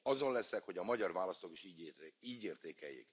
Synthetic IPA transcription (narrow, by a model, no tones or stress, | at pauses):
ɒzo̞nlɛsɛkho̞ɟɒmɒɟɒrvaːlɒst̪okiʃiːɟiːɟeːrt̪eːkɛjːḛːk